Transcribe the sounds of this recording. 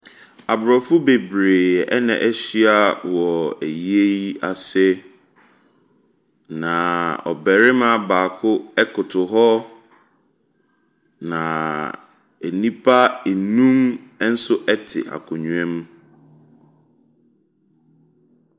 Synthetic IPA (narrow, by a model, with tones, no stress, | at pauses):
a˨bɾɔ˨fʊ˦be˨bɾeː˨ɛ̰˦nɛ̰̃˨ʔɛ˦ɕi˦a˦wɔ˨æ˨ji˦e˦i˦a˨sɛ˦ | nã˨ɔ̰˨bɛ˨ɾɪ˦mã˦baː˨kʰʊ˦ɛ˦kʰʊ˨tʰʊ˨ɦɔ˦ | nã˨ | ɛ˨nĩ˦pʰa˦e˨nũ˦m˦n̩˦sʊ˦ʔɛ˦tʰɪ̰˨ʔa̰˨kʰʊ˨ɲũ˨ɛ̃˦m˦